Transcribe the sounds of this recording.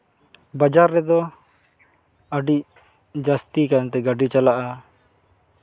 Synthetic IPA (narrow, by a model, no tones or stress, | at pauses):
bad͡ʒaɾːɛd̪ɔ | əɖiʔ | d͡ʒast̪ikant̪ɛɡaɖit͡ʃalaʔa